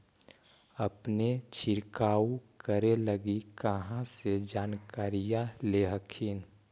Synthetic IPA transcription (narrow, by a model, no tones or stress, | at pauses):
əpnet͡ʃʰɪɾkaːukəɾeləɡikəɦãsed͡ʒaːnkaːɾijaleɦəkʰiːn